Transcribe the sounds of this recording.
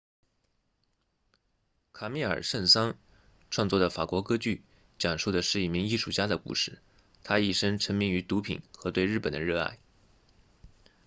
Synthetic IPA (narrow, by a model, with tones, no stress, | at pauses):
kʰa˨˩mi˥˩ə̰˞˨˩ʂə˥˩nsɑ˥ŋ | ʈ͡ʂʰwɑ˥˧ŋt͡swɔ˥˩d̪ə˩fa˨˩kwɔ˧˥kɤ˥t͡ɕy˥˩ | t͡ɕjɑ˨˩ŋʂo˥˩d̪ə˩ʂɻ̩˥˧i˥˩mi˧˥ŋi˥˧ʂu˥˩t͡ɕja˥d̪ə˨kṵ˥˩ʂɻ̩˥˩ | t̪ʰa˥i˥˩ʂə˥ŋʈ͡ʂʰə˧˥ŋmi˥˩ŋy˧˥t̪u˧˥pʰḭ˨˩˦nxɤ˧˥t̪we˥˧ɪɻ̩˥˩pə˨˩nd̪ə˦ɻɤ˥˧a̰˥˩ɪ